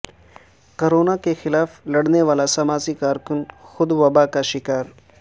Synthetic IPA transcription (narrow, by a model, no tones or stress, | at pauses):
koɾoːnakexɪlaːflɐɽneʋaːlasɐmaːzikaːɾkʊnxʊd̪ʋɐbakaʃɪkaːɾ